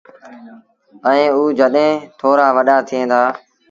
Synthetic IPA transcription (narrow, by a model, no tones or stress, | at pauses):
əẽːuːd͡ʒəɗɦẽːt̪ʰoːɾaːʋəɗaːt̪ʰɪẽːd̪aː